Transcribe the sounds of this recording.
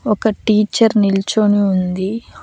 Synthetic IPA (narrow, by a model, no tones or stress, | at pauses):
ɔkɐʈiːt͡ʃːɐɾnilt͡ʃoniund̪i